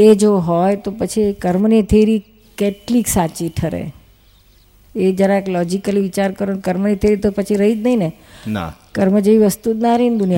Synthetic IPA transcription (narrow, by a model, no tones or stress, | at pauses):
ed͡ʒoɦojt̪opət͡ʃʰikəɾmənit̪ʰeɾi | keʈliksat͡ʃiʈʰəɾḛ | ed͡ʒjaɾaeklɔd͡ʒikəliʋit͡ʃaɾkəɾonkəɾmənit̪ʰeɾit̪opət͡ʃʰiɾəɦid͡ʒnəɦinena̰kəɾməd͡ʒəʋiʋəst̪ud̪naɾind̪unija